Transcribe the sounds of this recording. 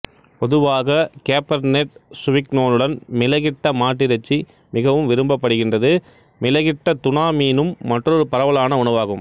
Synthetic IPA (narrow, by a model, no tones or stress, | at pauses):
pɔðɯʋaːɣɐkeːpɐɾneʈ̚sʊʋɪknoːnɯɽɐnmɪlɐɣɪʈːɐmaːʈːɪɾɐt͡ʃːi | mɪɣɐʋɯmʋɪɾɯmbɐpːɐɽɯɣɪndrɐðɯ | mɪlɐɣɪʈːɐt̪ʊnaːmiːnɯmːɐʈrɔɾɯpɐɾɐʋɐlaːnɐʊɳɐʋaːɣɯm